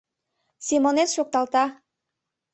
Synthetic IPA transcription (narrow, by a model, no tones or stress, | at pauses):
sʲimonet̪ʃok̚t̪ɑlt̪ɑ